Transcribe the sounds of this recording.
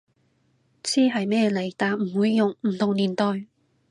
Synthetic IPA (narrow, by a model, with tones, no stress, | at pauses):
t͡sʰiː˥ɦɐ˨jmɛː˥˩le˨˩jt̪aː˨˩nm̩˨˩wuː˨˧jːʊ˨ŋm̩˨˩t̪ʰʊ˨ŋliː˨˩nt̪ɔː˨˩j